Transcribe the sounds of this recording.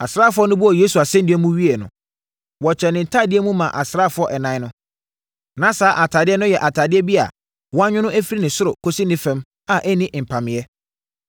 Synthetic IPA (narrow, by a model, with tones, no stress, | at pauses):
a˨sɾaː˦˨fʊ˦ɔ˦nʊ̃˦bʊ˦ɔ˨jeː˦su˨a˨sɛ̃˦ndɪ˦ɛ˦mũ˦ɥi˦ɛ˨nʊ̰̃˨ | wɔ˨t͡ɕʰɛ˨nɪ̃˨n̩˨tʰa˦˨dɪ˦ɛ˦mũ˦mã˨ʔa˨sɾaː˦˨fʊ˦ɔ˦ʔɛ˨nã˨˦nʊ̃˦ | nã˨˦saː˨˦ʔa˨tʰaː˨dɪ˦ɛ˦nʊ̃˦jɛ˨ʔa˨tʰa˨dɪ˦ɛ˦bi˦a̰˨ | wɔ˦a˦ɲᶣʊ̃˦nʊ̃˦ʔæ˦fi˦ɾi˦nɪ̃˨sʊ˦ɾʊ˨kʰo˦si˦nɪ̃˦fɛ̃˦m | a˨ʔɛ˦nɪ̃˦ʔm̩˨pʰã˨mɪ̃˨ɛ˦